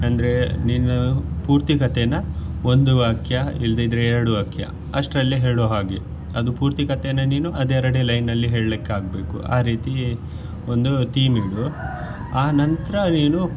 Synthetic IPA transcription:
ɐnd̪ɐɾe̞ninːɐpuːɾt̪ikɐt̪enɐo̞nd̪uʋaːkjɐild̪eid̪ɾeɛɾɐɽuʋaːkjɐ̰ | ɐʂʈɾɐlːiɦeːɾɽoːɦaːɡe | ɐd̪upuːɾt̪ikɐt̪enːɐniːnuʔɐd̪ɛɾɐɽelɐjnːɐlːiɦe̞ːɭɐlikːeaːɡ̚be̞ːkṵa̰ːɾiːt̪i | o̞nd̪ut̪iːmiɽu | aːnɐnt̪ɾɐniːnu

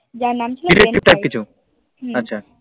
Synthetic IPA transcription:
d͡ʒanamiɾekʈiʋʈajp̚kit͡ɕʰu | ɐtːɕʰa

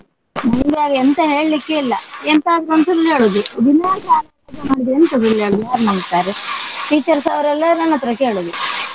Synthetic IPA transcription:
mɐŋɡjaːɡɐent̪ɐɦe̞ːɭlikːeilːɐent̪aːd̪ɾonsɐɾɐleːɭud̪ud̪inaːɡaːlɐ | ɡɐmaːɽid̪ient̪ɐd̪leːɭud̪ujaːɾmɐŋɡt̪aːɾeʈiːt͡ʃːɐɾsɐʋɾɐlːɐnɐnːɐt̪ːɾɐkːeːɭud̪i

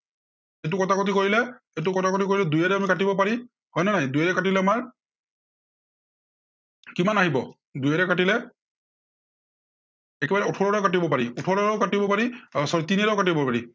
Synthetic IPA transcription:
et̬ʊkɔtakot̬ikoɹilɛ | ejtʊkɔtʰakot̬ik̬oɹilɛdujaɾɛamikatibɔpaɹi | hɔjnanajdujɛɾɛkatilɛamaɹ | kimanaɦibɔ̰ | dujɛɾɛkatilɛ | ɛkɛbaɹɛutʰɔɹɔɹakat̬ibɔpaɹiutʰɔɹɔɹɛʊkatibɔpaɹisɔtinɛɾɛʊkatibɔpaɹi

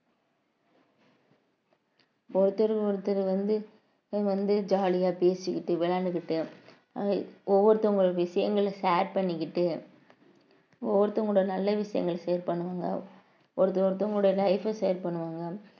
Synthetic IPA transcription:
ɔɾɯt̪ːɐɾɯɔɾɯt̪ːɐɾɯʋɐnd̪ɯ | ʋɐnd̪ɯd͡ʒaːlɪjaːpeːsɯkːɪʈːɯʋɪlaːnɯkːɪʈːɯ | ɔʋːɔɾɯt̪ːɐʊŋɡɐɭʋɪʂɐjɐ̰ŋɡɐɭsaːɾpɐɳːɪkːɪʈːɯ | ɔʋːɔɾɯt̪ːɐʊŋɡɽɐjɐnɐlːɐʋɪʂɐjɐ̰ŋɡɐɭsɛjɐɾpɐɳːɯʋaːŋɡɐ̰ | ɔɾɯt̪ːɐɔɾɯt̪ːɐʊŋɡɐɽɐjlɐɪfɐsɛjɐɾpɐɳːɯʋaːŋɡɐ

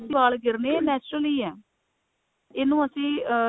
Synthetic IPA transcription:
siːʋaːlɡɪɾneːnɛːt͡ʃɾəliːɛː | ɪnũːəsĩː

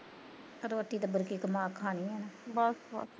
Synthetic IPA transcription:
əɾoət̪ːiːt̪əbəɾkiːkəmaːkʰaːniːɛːnaːbɔːsbɔ̰ːs

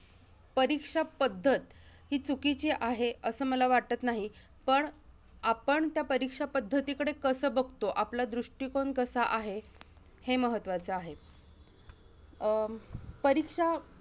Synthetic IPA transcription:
pəɾikʂapəd̪ʱːət̪ | ɦiːt͡sukit͡ɕiʔaɦeəsəːməlaʋaʈ̚t̪ət̪naɦi | pəɳ | apəɳt̪japəɾikʂapəd̪ʱːət̪ikəɽekəsəːbəɡʱt̪oʔaplad̪ɾuʂʈikoɳkəsaʔaɦe | heməɦət̪ːʋat͡səaɦe | pəɾikʂa

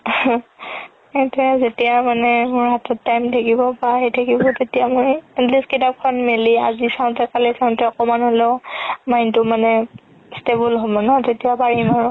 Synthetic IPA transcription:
etɛzetijamanɛmʊɹɦatɔtːajmtʰakibɔbaɦetʰakibɔtetijamojɛtliskitap̚kʰɔnmelia̰zisaʊ̃ntɛkalɛsaʊ̃ntɛɔkɔmanholɛʊmajntʊmanɛ | stebulɦɔbɔnatetijapaɹimaɹʊ

